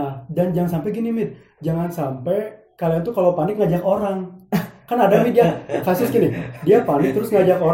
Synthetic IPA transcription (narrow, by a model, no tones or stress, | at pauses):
dand͡ʒaŋansampɛɡinimɪt̪̚ | d͡ʒaŋansampɛj | kaliant̪̬ukalopanɪk̚ŋad͡ʒakoɾaŋkanadamidiakasʊsɡinidiapanɪk̚t̪əɾʊsŋad͡ʒako